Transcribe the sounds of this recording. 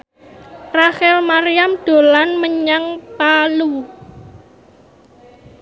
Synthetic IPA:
raxɛlmaɾijamd̪̥o̤lanməɲaŋpalu

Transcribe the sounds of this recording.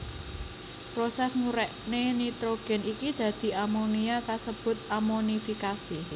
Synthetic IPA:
pɾosɛsŋuɾɛʔnenit̪ɾoɡ̥ɛ̤nikid̪̥ä̤d̪̥i̤amoniakasəb̥ʊ̤t̪amonifikasi

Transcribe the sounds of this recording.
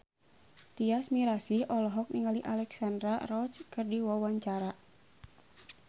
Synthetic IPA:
t̪iasmiɾasiʔɔlɔɦɔk̚niŋaliʔalɛksandɾarɔt͡ʃkɨrdiwawaɲt͡ʃaɾa

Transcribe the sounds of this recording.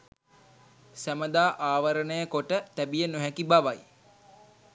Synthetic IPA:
sæməd̪aːʔaːʋəɾənəjəkoʈət̪æbijənoɦækibaʋaj

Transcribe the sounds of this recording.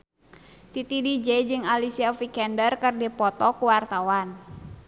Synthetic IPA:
t̪it̪idid͡ʒɛd͡ʒɨŋalisiafikɛndərkərdipɔt̪ɔkuwart̪awan

